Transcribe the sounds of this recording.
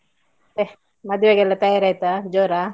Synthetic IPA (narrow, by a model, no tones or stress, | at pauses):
t̪e | mɐd̪jʋaɡɛlːɐt̪ɐjaːɾajt̪ad͡ʒoːɾa